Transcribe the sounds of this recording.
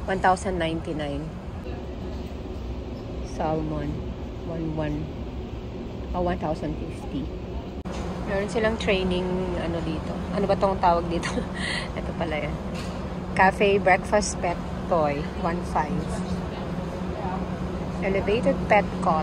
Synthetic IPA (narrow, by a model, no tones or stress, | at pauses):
want̪awsɐnd̪ːajnt̪inajn | salmon | wanwan | ʔowant̪awsɐnd̪fift̪i | mɛːɾonsɪlaŋt̪ɹejnɪŋɐnod̪iːt̪oʔɐnobɐt̪oŋt̪aːwɐɡ̚d̪iːt̪oʔɛt̪opɐlajan | kafɛjbɹɛkfɐst̪̚pɛt̪ːoj | wanfajv | ʔɛlɛvejt̪ɛd̪̚pɛt̪̚kɔ